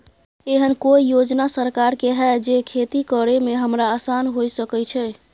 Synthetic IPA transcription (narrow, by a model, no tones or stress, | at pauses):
eɦənkoijod͡ʒnasəɾkaɾkeɦɛd͡ʒekʰet̪ikəɾemeɦəmɾaːsanɦojsəkɛt͡ʃʰɛ